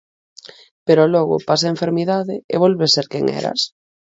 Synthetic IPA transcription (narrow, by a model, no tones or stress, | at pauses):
peɾoloɣo̰pasaeɱfeɾmiðaðeeβ̞olβeseɾkḛŋḛɾa̰s